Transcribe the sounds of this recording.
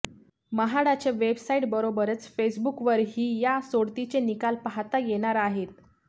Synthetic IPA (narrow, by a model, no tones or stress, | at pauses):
məɦaɽat͡ɕeʋebsaiʈbəɾobəɾət͡sfesbukʋəɾɦiːjasoɽt̪it͡ɕenikalpaɦat̪ajeɽ̃aɾaɦet̪